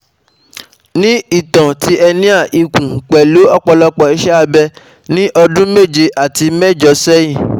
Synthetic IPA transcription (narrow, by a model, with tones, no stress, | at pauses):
nĩ˦i˦˨tã˨ti˨˦ɛ˧nĩ˦a˦˨ʔi˨kũ˨k͡pɛ˨lo˨˦ɔ˦˨k͡pɔ˧lɔ˧k͡pɔ˨i˦ʃɛ˦a˧bɛ˧ | nĩ˦ʔɔ˧dũ˦me˦˨d͡ʒe˧ʔa˨ti˧mɛ˦˨d͡ʒɔ˨˧sɛ˦jĩ˦˨